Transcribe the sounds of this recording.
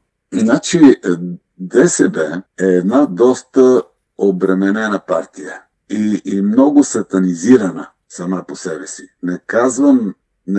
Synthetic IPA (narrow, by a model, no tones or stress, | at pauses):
znat͡ʃi | d̪ɛsɛbɛɛːd̪nad̪ɔst̪ə | obɾɛmɛnɛnəpaɾt̪ijə | iːmnɔɡʊsɐt̪ɐniziɾɐnə | sɐmaposɛbɛsinɛkazvəm | n